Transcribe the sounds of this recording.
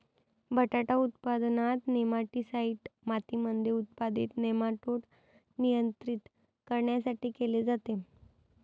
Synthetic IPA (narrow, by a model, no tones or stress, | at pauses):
bʱəʈaʈaut̪pad̪nat̪nemaʈisaiʈmat̪imənd̪ʱeut̪̚pad̪ḭːt̪nemaʈoʈ | nijənt̪ɾit̪ | kəɾɳjasaʈiːkeled͡zat̪e